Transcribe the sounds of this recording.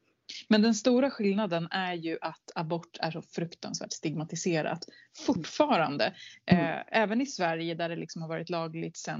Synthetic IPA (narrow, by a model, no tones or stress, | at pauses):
mɛnd̪ɛnst̪uːɾaɧɪlnad̪ənæɾjɵʔat̪ʰabɔʈːʰæ̰ʂɔfɾɵkt̪ʰa̰nsvæ̰ːʈst̪ɪɡmat̪ɪseːɾa̰t̪ | fʊʈːfɑːɾa̰nd̪ə̰ | ɛːvənɪsvæɾjəd̪æɖɛlɪksɔmhaɾvɑːɾɪt̪lɑːɡlɪɡ̚t̪sɛn